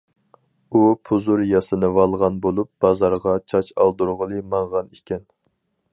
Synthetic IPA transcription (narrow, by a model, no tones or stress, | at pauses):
upʰuzuɾjɑsɨnɨvɑlˠʁɑnbolˠup̚b̥ɑzɑɾʁɑt͡ʃʰɑt͡ʃɑ̰lˠd̪uɾʁəlˠɨmɑɴʁɑnikʲʰɛn